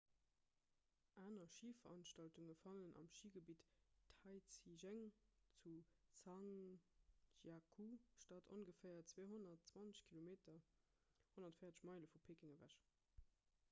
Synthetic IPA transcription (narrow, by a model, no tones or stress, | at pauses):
ʔaːnɐʃiːfɐʁɑnʃtɑltuŋəfɑlənʔɑ̰mʃiːɡəbiːttʰɑɪt͡siʒæŋt͡sut͡sɑŋ | ʒakʰuʃtɑtʰo̰nɡəfæːɐt͡sweːɦonɐtt͡swɑnt͡sə̥ɕkʰilomeːtʰɐ | honɐtfəɪjɐt͡sə̥ɕmɑɪləfupʰeːkiŋəvæ̰ʃ